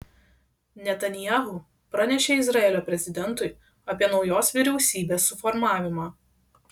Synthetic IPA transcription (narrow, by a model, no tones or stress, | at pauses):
nʲɛt̪ɐnʲɪjaːɦʊ | pɾɐnʲɛʃʲeːɪzɾɐɛːlʲoːpʲɾʲɛzʲɪd̪ʲɛnt̪ʊɪ | ɐpʲiɛnɒʊjoːsʋʲɪɾʲɛʊsʲiːbʲeːsːʊfɔɾmɑːʋʲɪmɑː